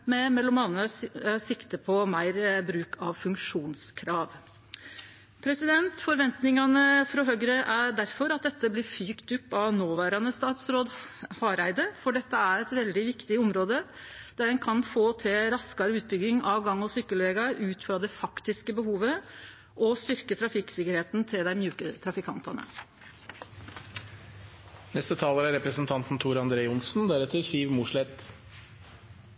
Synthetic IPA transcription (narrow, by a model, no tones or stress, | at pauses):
mɛmɛlːɔmɑnəsɪkt̪əpʰɔmæɪɾbɾʉːkʰɑʋfʉŋkʂuːnskʰɾɑːʋ | pʰɾɛsɪd̪ɛnt̪fɔɾʋɛnt̪nɪŋɑnəfɾɔɦœɡɾəʔæɖæɾfɔɾɑt̪̚d̪ɛt̪ːəblɪɾfyːkt̪ʉpːɑʋnoːʋæːɾɑnəst̪ɑːt̪sɾoːd̪hɑɾæɪd̪əfɔɖɛt̪ːəæɾɛt̪ʋɛld̪ɪʋɪkt̪ɪɔmɾoːd̪ə | d̪̥æɖɛnkʰɑnfoːt̪ʰɪɾɑskɑɾəʉːt̪̚bʏɡɪŋɑʋɡɑŋːɔsʏkːəlʋeːɡɑɾʉːt̪fɾɑd̪ɛfɑkt̪ɪskəbəhuːʋə | ʔɔst̪ʏɾkət̪ʰɾɑfɪksɪkəɾheːt̪nt̪ʰɪld̪æɪmjʉːkət̪ʰɾɑfɪkʰɑnt̪ɑnə̰ | nɛst̪ət̪ʰɑːləɾæɾɛpɾəsnt̪ʰɑnt̪n̩t̪ʰuːɾɑnd̪ɾeːəʊnsn̩d̪æɾɛt̪ʰːəsiːʋmuʂɭɛt̪